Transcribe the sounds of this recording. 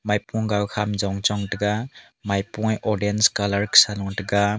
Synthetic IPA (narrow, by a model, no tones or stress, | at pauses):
majpɔŋɡawkʰamd͡ʒɔwŋt͡ʃɔŋtaɡa | majpɔŋjʔɔɾdenskalaɾksalɔŋtaɡa